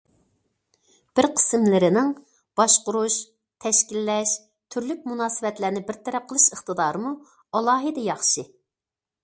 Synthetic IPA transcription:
b̥ɪɾqʰə̥smlɪɾɪnɪŋ | b̥ɑʃqʊɾuʃ | t̪ʰɛʃkʲilːɛʃ | t̪ʰyɾlyk̚ʲmunɑːsɨvɛt̪læɾnɪbɪɾt̪ʰɛɾɛp̚qʰəlˠɨʃəχt̪ɨd̪ɑːɾɨmu | ɑlˠɑːɦɨd̪ɛjɑχʃɨ

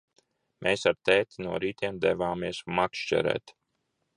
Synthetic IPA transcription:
mʔeːsaɾt̪ɛːt̪ʲinuɔɾiːt̪ʰʲiɛmd̪ɛvaːmiɛsmakʃt͡ʃʲɛ̰ɾɛ̰ːt̪

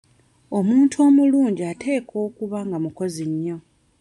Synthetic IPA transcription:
o̞muːntʰuo̞ːmuluːɲɟiatʰe̞ːkʰo̞ːkuβaŋɡamuko̞ziɲːo̞

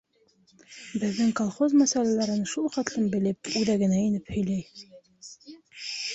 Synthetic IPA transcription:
bɘ̆ðːɘŋkolˠχozmæsælælæɾɘnʃulˠχæt̪lˠɘmbɘ̆lɘp̚ʉðæɡɘ̆næinɘphɵ̆jlæj

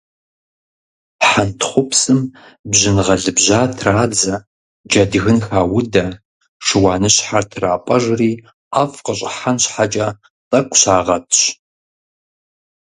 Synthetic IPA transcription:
ħantʰχʷʊpsɨm | bʑɪnʁɐɮɨbʑaːtʰraːd͡zɐ | d͡ʒɐdɣɨnxaːwʊdɐ | ʂɨwɑːnɨɕħartʰraːpʷʼɐʒriː | afqəɕʼɪħanɕħat͡ʃʼɐ | tʼɐkʷʰʼɕaːʁɐtʰɕ

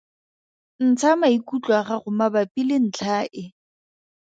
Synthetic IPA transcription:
n̩t͡sʰamaikut͡ɬʼwaχaχʊmabapʼilɪn̩t͡ɬʰaːʔɪ

